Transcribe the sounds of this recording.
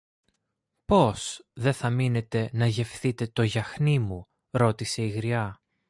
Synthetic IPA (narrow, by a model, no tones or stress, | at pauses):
po̞sðe̞θɐmine̞t̪e̞nɐʝe̞fθit̪e̞t̪o̞ʝɐxnimu | ɾo̞t̪ise̞iɣɾiɐ